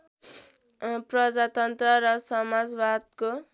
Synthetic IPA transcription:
prʌd͡zat̪ʌnt̪rʌɾʌsʌmad͡zbad̪̚ko

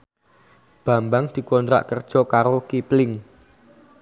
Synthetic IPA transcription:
b̥a̤mbaŋd̪̥i̤kɔnt̪ɾa̰ʔkərd̥ʒ̥ɔ̤kaɾokiplɪŋ

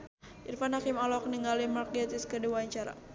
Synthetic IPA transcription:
ʔirfanhakimalɔk̚niŋalimark̚ɛt̪iskəduwaɲt͡ʃaɾa̰

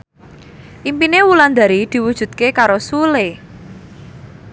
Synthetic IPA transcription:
ʔimpinewuland̪a̤ɾid̪̥i̤wud̥ʒ̥ṳt̪̚kekaɾosule

